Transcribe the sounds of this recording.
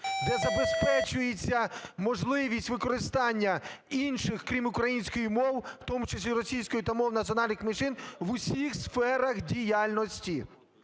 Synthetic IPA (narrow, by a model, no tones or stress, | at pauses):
d̪ɛzɐbespɛt͡ʃʊjet͡sʲːɐmɔʒlˠɪʋʲisʲtʲʋɪkɔɾɪst̪ɑnʲːɐinʃɪxkɾʲimʊkɾɐjinʲsʲkɔjimɔwwt̪ɔmʊt͡ʃesʲlʲiɾɔsʲijsʲkɔjʊt̪ɐmɔwnɐtʲt͡sʲiɔnɑlʲnɪxmɪʃɪnʋʊsʲixsfɛɾɐxdʲijalʲnɔsʲtʲi